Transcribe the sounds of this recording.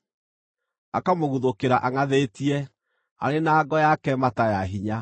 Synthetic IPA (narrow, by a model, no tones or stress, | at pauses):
akamoɣuðokeɾaʔaŋaðetiɛ | a̰ɾenaːɡɔjakɛmatajaɦiɲa